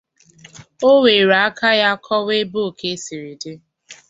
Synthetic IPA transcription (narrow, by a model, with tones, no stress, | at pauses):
o˦we˨ɾa˨˦kʰa˦ja˦kʰɔ˦we˦bo˦˨ke˦si˨ɾi˨de˦